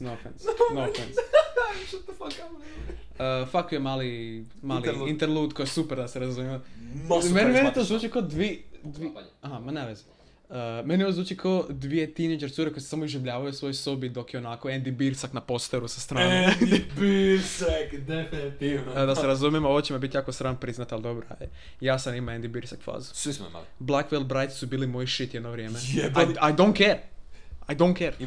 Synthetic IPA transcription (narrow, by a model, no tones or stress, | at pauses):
nofensnoensʃot̪ofakan | əfakojemaːli | maːliint̪eɾlˠuːt̪kojsupeɾd̪aseɾazumjemo | menmenit̪ozʋuːt͡ʃikod̪ʋid̪ʋiaɦamaneʋez | əmeniozʋuːt͡ʃikood̪ʋijet̪inejd͡ʒeɾt̪suɾekojsu̥samoiʒiʋʎaːʋajosʋo̞jsobid̪o̞kjeonako̞end̪ibiɾsaknapost̪eɾusast̪ɾaːnebiɾsakd̪efinit̪id̪aseɾazumjemoot͡ɕemabit̪jaːkosɾanpɾiznat̪ald̪obɾa̰je | jaːsanimaend̪ibiɾsakfa̰zu̥sʋismo̰ima̰lblˠakʋelˠbɾajt̪i̥subiːlimo̞jiʃit̪jed̪noʋɾʲjeːmejajd̪ont̪keɾajd̪ownkeɾ